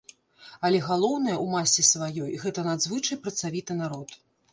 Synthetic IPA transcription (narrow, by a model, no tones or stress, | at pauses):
ɐlʲɛɣalˠɔwn̪ɐjɐʔumasʲːisvajɔjɣɛt̪ɐnad̪zvɨt͡ʂɐjpɾɐt̪savʲit̪ɨn̪aɾɔt̪